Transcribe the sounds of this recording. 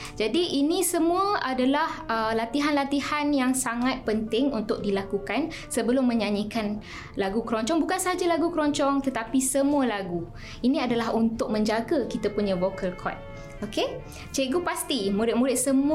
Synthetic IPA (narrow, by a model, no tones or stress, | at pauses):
d͡ʒadiʔːnĩsəmũəʔadalahəlat̪iɦanlat̪ihanjaŋsaŋat̪̚pənt̪ɪŋunt̪ʊk̚dilakukan | səbəlʊmːə̃ɲaɲikan | laɡukəɾɔɲt͡ʃɔŋbukansəɦad͡ʒalaɡukəɾɔɲt͡ʃɔŋt̪ət̪apisəmũəlaɡu | inĩadalaɦunt̪ʊk̚mə̃ɲd͡ʒaɡakit̪apuɲãvokʰəlkʰɔ̰t̪̚ | oke | t͡ʃeɡupast̪imũɾɪt̪̚muɾɪt̪̚səmu